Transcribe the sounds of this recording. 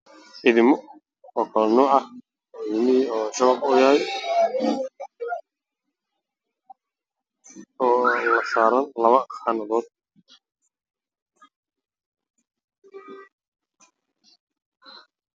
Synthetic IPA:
ʕɪðɪmɔ | ɔːkʰɐlɔnuːʕɑ | ɪðɪmɪiɔːt͡ʃɐwaːbʊjɐɦɛj | ɔːlɐsaːɾɐlɐβɐxaːnɐðɔːd̪̚

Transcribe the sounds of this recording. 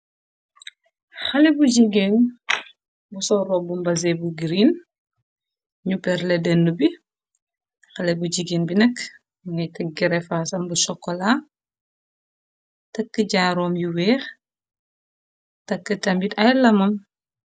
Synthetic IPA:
xɐlɛbuɟiɡen | busɔɾɔbumbɐzebuɡiɾin | ɲupɛɾlɛdɛnːubi | xɐlɛbuɟiɡenbinɐkː | muŋɛjtɛɡɛɾɛfaːsɐmbusɔkːɔlaː | tɐkːəɟaːɾɔːmjuwɛːx | tɐkːətɐmbitɐjlɐmɐm

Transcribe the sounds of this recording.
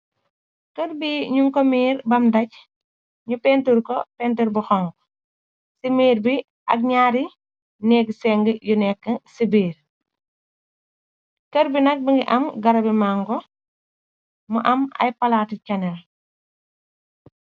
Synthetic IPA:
kərbiɲuŋkɔmiːɾbɐmdɐc̚ | ɲupɛntuɾkɔpɛntuɾbuxɔŋɡ | simiːɾbi | ʔɐ̰k̚ɲaːɾi | nɛɡsɛŋɡəjunɛkːəsibiːɾ | kəɾbinɐk̚biŋɡiʔɐmɡɐɾɐbimaŋɡɔ | mɐʔɐmɐ̰jpɐlaticɐnɛl

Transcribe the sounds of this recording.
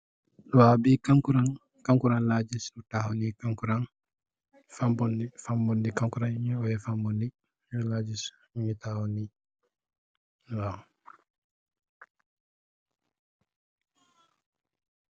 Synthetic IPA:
wabikaŋkuɾan | kaŋkuɾanlad͡ʒisnutahonikaŋkuɾan | fambɔnifambɔndikaŋkuɾaniɲɛɔjɛfambɔndi | jɔlaːd͡ʒis | iɲitahɔni | wa

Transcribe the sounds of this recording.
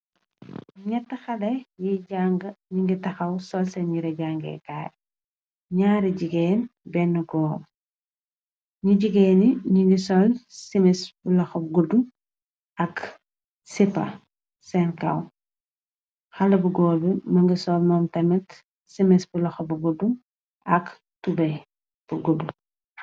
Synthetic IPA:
ɲɛtːɐxɐdɐjiɟaŋɡɐɲiŋɡitɐxɐwsɔlsɛnɲiɾɐɟaŋɡɛ̰ka̰ːɾ | ɲaːɾiɟiɡɛːnbɛnːɐɡɔːm | ɲuɟiɡɛːniɲiŋɡisɔlsimɛsbulɐxɔp̚ɡudum | ɐk | sipːɐ̰ | sɛnkɐ̰w | xɐlɐbuɡɔːlbimɐŋɡisɔlmɔːmtɐmɐt | simɛsbulɐxɔbɐɡudum | ʔɐk | tubɛ | b̥uɡudum

